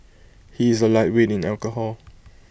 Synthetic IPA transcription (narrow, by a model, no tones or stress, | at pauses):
hiɪzəlaɪt̚wedɪ̃nɛlkəhɔl